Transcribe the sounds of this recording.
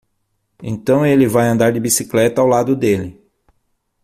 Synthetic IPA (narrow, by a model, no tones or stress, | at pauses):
ḛ̃nt̪ɐ̃w̃elɪvajɐ̃nd̪aɾd͡ʒɪbisiklɛt̪ɐawlad̪ʊd̪elɪ